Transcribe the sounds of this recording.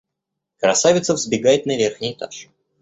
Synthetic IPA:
kɾɐsavʲɪt̪səvzʲbʲɪɡajɪt̪nɐvʲerxnʲɪjt̪a̰ʂ

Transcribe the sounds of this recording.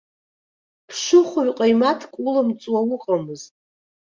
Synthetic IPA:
pʰʂɨχʷʊɥqʼajmatʰkʷʼulamt͡sʼwawʊqʼamɨzt

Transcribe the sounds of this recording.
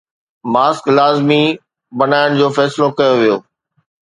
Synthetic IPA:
maːsklaːzmi | bɐnaːɪɽ̃̆d͡ʑoːfɛːsɪlokɐjoʋijoː

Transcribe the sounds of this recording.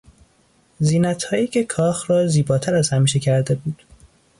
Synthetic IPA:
ziːnæt̪hɒːjiːcʰe̞kʰɒːxɾɒːziːbɒːt̪ʰæɾæz̥hæmiːʃe̞cʰæɾd̪e̞buːd̪̥

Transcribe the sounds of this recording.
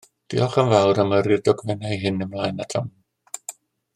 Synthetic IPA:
d̥ḭɔχənvawɾaməɾjɪdɔɡvɛnajɦɪnəmlˠaːjnatʰɔm

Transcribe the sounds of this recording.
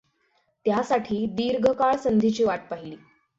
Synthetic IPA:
t̪jasaʈʰiːd̪iːɾɡʱəkaɭsənd̪ʱit͡ɕiːʋaʈ̚paɦiliː

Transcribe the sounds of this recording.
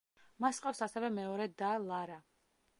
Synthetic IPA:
masqʼafsasɛvɛmɛɔɾɛd̪alˠaɾa

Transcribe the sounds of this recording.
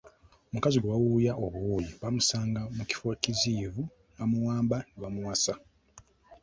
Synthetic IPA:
omukaziɡeβawujaʔoβuwuːjiβamusaːŋɡamuci̥fo̞ciziːvu | βamuwaːmbaniβamuwasa

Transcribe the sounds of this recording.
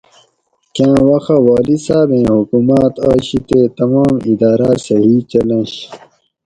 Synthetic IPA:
kãːwɐxawaːlisaːbẽːhukumat̪ɑːɕit̪et̪ɐmaːmid̪aːɾasɐɦit͡ɕɐlẽɕ

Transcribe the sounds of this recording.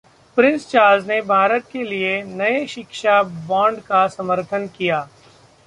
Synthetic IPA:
pɾɪ̃nst͡ʃaːɾznebʱaːɾət̪̚kelienɐeʃɪkʃabɔ̃ːɳɖkasɐməɾt̪ʰənkijaː

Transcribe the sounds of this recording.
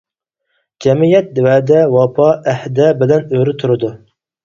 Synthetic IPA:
d͡ʒɛmijɛt̪̚d̪wɛːd̪ɛwɑpʰɑʔæhd̪ɛbɪlɛnøɾɪt̪ʰuɾɨd̪u

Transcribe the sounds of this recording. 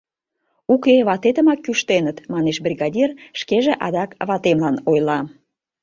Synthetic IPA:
ukeβɑt̪et̪əmɑkːyʃt̪enət̪mɑneʃbrʲiɣɑdʲirʃkeʒeʔɑd̪ɑkβɑt̪emlɑnojlɑ

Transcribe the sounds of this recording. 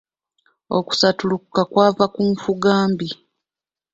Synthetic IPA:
o̰ku̥satulukkakwaːvakuɱfuɡaːmbi

